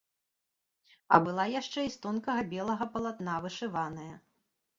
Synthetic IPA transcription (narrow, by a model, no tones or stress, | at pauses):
ɐ̰bɨlˠajaʂt͡ʂɛist̪ɔnkɐɣɐbʲɛlˠɐɣɐpɐlˠat̪n̪avɨʂɨvanɐjɐ